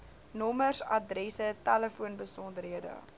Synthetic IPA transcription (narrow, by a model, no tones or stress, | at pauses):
nɔmərsɐ̰drɛsətæləfuənbəsɔndəɾɦiədə̰